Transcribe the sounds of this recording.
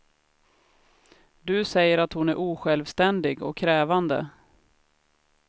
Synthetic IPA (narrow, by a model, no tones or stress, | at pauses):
d̪ɵsɛjːəɾat̪hʊnæɾʔuːɧɛlvst̪ɛnd̪ɪɡɔ̰kʰːɾɛːvand̪ə̰